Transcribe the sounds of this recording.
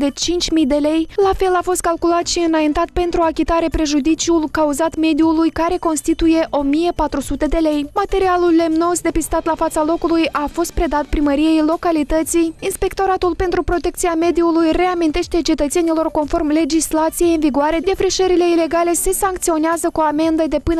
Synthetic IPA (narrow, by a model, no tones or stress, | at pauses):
d̪e̞t͡ʃint͡ʃʲmijd̪e̞le̞jlafe̞lafo̞st̪̚kalkulat̪ʃiɨnajint̪at̪̚pe̞nt̪ɾuakʲit̪aɾe̞pɾe̞ʒud̪it͡ʃiulkauzat̪me̞d̪iulujkaɾe̞ko̞nst̪it̪uje̞ʔo̞mije̞pat̪ɾusut̪e̞d̪e̞le̞jmat̪e̞ɾialulːe̞mno̞zd̪e̞pist̪at̪lafat̪salo̞kulujʔafo̞st̪̚pɾe̞d̪at̪̚pɾiməɾije̞jlo̞kalit̪ət̪sijinspe̞kt̪o̞ɾat̪ulpe̞nt̪ɾupɾo̞t̪e̞kt̪sijame̞d̪iulujre̞amint̪e̞ʃt̪e̞t͡ʃe̞t̪ət̪se̞nilo̞rko̞nfo̞rmle̞d͡ʒislat̪sijejɨnviɡoaɾe̞d̪e̞fɾiʃəɾile̞ile̞ɡale̞se̞saŋk̚t̪sio̞neazəkuame̞nd̪əd̪e̞pɨn